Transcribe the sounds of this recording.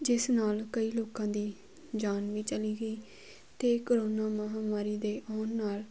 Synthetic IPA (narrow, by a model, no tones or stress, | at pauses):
d͡ʒɪsnaːlkəiːloːkãːd̪iː | d͡ʒaːnʋiːt͡ʃəliːɡəiː | t̪eːkəɾoːnaːməɦaːmaːɾiːd̪eːʔɔːnːaːl